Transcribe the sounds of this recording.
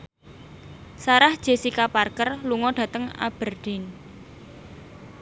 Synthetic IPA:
saɾahd̥ʒ̥e̤sikaparkərluŋɔɖ̥ä̤t̪əŋa̰b̥ərɖ̥ɪn

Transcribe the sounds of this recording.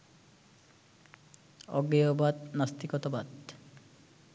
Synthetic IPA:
ɔ̰ɡejɔbat̪nast̪ikɔt̪ɔbat̪

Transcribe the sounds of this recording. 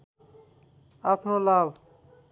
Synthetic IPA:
apʰnolab

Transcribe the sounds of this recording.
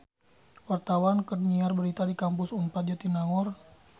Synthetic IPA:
wart̪awankərniarbəɾit̪adikampʊsunpat̪̚d͡ʒat̪inaɔr

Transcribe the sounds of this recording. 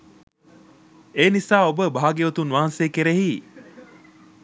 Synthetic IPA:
eːnisaːobəbʱaːɡiʋot̪unʋaɦanseːkeɾeɦi

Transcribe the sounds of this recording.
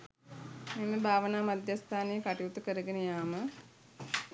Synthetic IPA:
meməbʱaːʋənaːmad̪jast̪ʰaːnejəkaʈiut̪ukəɾəɡenəjaːmə

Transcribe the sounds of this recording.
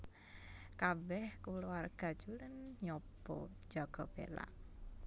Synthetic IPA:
kabɛhkuluarɡ̥a̤̥d͡ʒulənɲɔbɔ̰̥d͡ʒaɡ̥ɔb̥ḛla̰

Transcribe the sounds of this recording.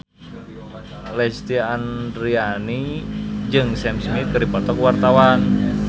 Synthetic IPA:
lɛst̪iandɾianid͡ʒɨŋsɛmsmit̪̚kɨrdipɔt̪ɔkwart̪awan

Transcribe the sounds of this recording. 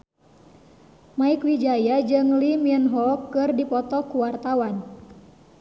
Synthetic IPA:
maikwid͡ʒajad͡ʒɨŋlimiənɦɔkːɨrdipɔt̪ɔkuwart̪awan

